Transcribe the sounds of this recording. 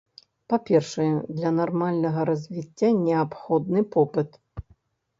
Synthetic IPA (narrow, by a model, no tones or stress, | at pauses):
papʲɛrʂɨjɛd̪lʲɐnarmalʲnɐɣɐɾɐzʲvʲit͡sʲːanʲɛapxɔd̪̚nɨpɔpɨt̪